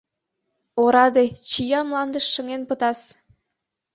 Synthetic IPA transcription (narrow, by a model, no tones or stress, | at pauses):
oɾɑd̪et͡ɕijɑmlɑnd̪əʃːəŋenpət̪ɑs